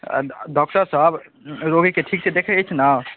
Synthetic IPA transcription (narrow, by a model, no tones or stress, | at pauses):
ɖɔk̚ʈəɾsəb | ɾoɡikeʈʰik̚t͡ʃʰɛd̪ekʰɛt͡ʃʰna